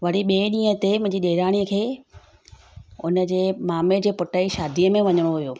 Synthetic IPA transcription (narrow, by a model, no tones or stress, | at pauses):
ʋɐɽiɓeːɗĩːə̃t̪emʊ̃ɦɪ̃ɲd͡ʑiɗeːɾaːɽ̃iəkʰeː | ʊnə̆d͡ʑeːmaːmed͡ʑeːpʊʈaːiʃaːd̪ʱiəmẽʋɐɲəɽ̃oɦʊjoː